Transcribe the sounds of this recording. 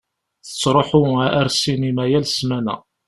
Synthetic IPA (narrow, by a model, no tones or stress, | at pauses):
θə̥t͡sːɾˤoħʊæɾsinimæjælsmænæ̰